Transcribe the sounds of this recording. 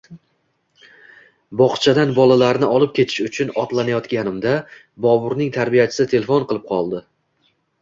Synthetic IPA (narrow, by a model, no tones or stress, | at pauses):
bɒχt͡ʃʰad̪anbɒlˠalaɾnɪʔɒlˠɪp̚kʲʰe̞t̪ʰɪ̥ʃʊt͡ʃʰʊnɒt̪lanajɒt̪ɡʲanɪmd̪a | bɒbʊɾnɪŋt̪ʰaɾbijat͡ʃʰɪ̥sɪt̪ʰe̞lefonqɨlˠɪp̚qʰɒlˠd̪ɪ